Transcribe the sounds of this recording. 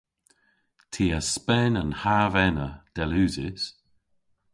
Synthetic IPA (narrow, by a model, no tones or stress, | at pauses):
tʰiːəspɛnənhaːvɛnəd̪̥ɛlʉːzɪs